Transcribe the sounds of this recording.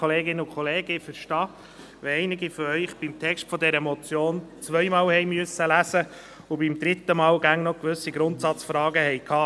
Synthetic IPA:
oleːɡɪnːəʊkʰχɔleːɡəfəɾʃtɑː | ʋɛɛɪnɪɡifɔɾœʏχb̥imt̪ʰɛkʃtfɔd̪ɛɾəmɔt͡sjoːnt͡sʋœjmɑːwhɛjmyəsːəlæsə | ʊbimd̥̪ɾɪt̪ːəmɑːwɡæŋnɔkʋɵsiɡɾʊnt̪sɑt͡sfɾɑːɡəɦɛjkʰɑː

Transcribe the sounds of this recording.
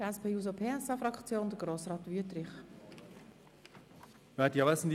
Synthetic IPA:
əɛspʰeːjuːzopʰeːɛsɑfɾɑkt͡sjoːnd̥̪əɡɾoːsrɑːt̪vyətɾɪχ | vɛt̪jɑɛsn̩d̪

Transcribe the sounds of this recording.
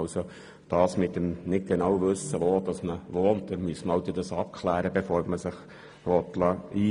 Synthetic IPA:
ʊso | d̪̥ɑːsmɪt̪ːəmnɪt̚ɡ̥enɑːwʋɵsːəʋoːd̥̪ɑsməʋoːntd̪ɛmyəsməhɑʊd̪ed̪ɑsɑp̚kʰlæːɾəbefoːɾməsɪχ | ʋɔt̪lɑiː

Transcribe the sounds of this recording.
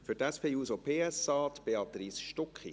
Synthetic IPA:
fyɾtɛspeːuːsopʰeːɛsɑːt̪b̥eɑt̪risʃtɔkχḭ

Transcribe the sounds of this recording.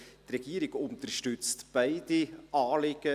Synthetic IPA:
t̪rɛɡ̥iːɾɪɡ̥ʊnt̪əɾʃtʉt͡stb̥aɪdiʔɑːlɪɡ̥ə

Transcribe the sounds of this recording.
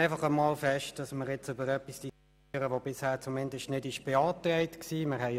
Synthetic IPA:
ɪfɑχəmɑːlfɛʃtd̥ɑsməɾjɛt͡søbəɾœpisd̥i | ɾəʋobɪshæːt͡sʊmɪndəstnɪdɪʃb̥eɑːtrɛɪtksiːmɪʁhɛɪ

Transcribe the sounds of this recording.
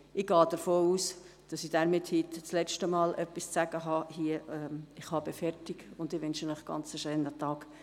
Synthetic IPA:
ʔɪɡ̥ɑːd̥əɾfoːuːs | d̥ɑsid̥æɾmɪthitt͡slɛt͡ʃtəmɑːlʔœpːist͡sæɡ̥əɦɑhiəɛɪχhɑb̥ɛfɛrtɪɡ̥ʊndɪʋʏnʃənɪχɡ̥ɑ̰nt͡səʃøːnətɑːɡ

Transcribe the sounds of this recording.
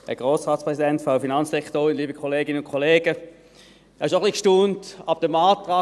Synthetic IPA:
ɛɡʁoːsʁaːtt͡spʁɛsidɛntfʁaʊfinɑnssɛktoːʁɪnliːbəkʰoleːɡɪnənʊnkʰoleːɡə | ɛːɪʃoχlikʃtuːntab̚d̥emaːtʁɑː

